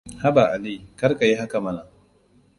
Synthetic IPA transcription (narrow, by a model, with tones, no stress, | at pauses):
ha˦ba˨ʔa˨li˦kɐ˦ɾka˨ji˦ha˦ka˨mɐ˦na˨